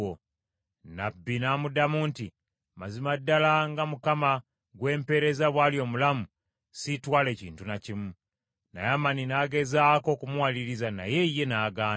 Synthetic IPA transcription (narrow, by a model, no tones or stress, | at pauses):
o | nabːinamudamunti | mazimadːalaŋɡamukama | ɡwe̞ːmpe̞ɾe̞zaβwaːljo̞ːmulamu | sitwaːle̞ːcḭːntunacimu | na̰jamaninaːɡe̞zaːko̞kumwaliɾizana̰je̞jːe̞naːɡaː